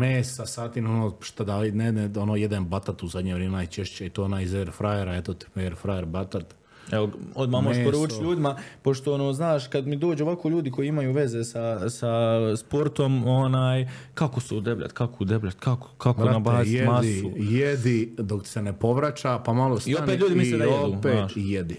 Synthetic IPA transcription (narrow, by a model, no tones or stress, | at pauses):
mesasaːt̪inonoːʃt̪ad̪alinenonoːjed̪anbat̪at̪uzad̪ɲeʋɾeːmenajt͡ʃeʃt͡ɕeit̪oːonaːjizeɾfɾajeɾaet̪ot̪eɾfɾajeɾbat̪at̪ | eʋood̪maːmoʃpoɾuːt͡ʃiʎʲuːd̪imapo̞ʃt̪o̞onoːznaːʃkad̪mid̪o̞ːd͡ʒoʋakoʎuːd̪iko̞jiimajuːʋe̞ze̞sasaspo̞ɾt̪o̞monaːjkako̞sɛud̪ebʎa̰t̪kʰakoud̪ebʎʲat̪kako̥kakonabaːzit̪masujed̪id̪oksenepo̞ʋɾat͡ɕapamalˠosioeːt̪ʎuːd̪imiseajeod̪uːpeaːʃjed̪i